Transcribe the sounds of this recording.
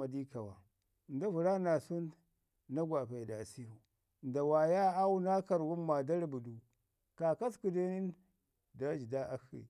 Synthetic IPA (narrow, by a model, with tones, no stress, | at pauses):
a˨di˦ka˨wa˨ | nda˦vu˨ɾa˦na˨su˦nː | a˦ɡʷa˨pa˨da˨si˦u˨ | nda˨wa˨ja˦a˦wu˦na˦ka˨ɾɡu˦m˦ma˨da˦ɾbu˨du˨ | ka˨ka˦sku˨de˦ni˦n | da˨˦d͡ʒi˨da˦ʔa˦xḭ˨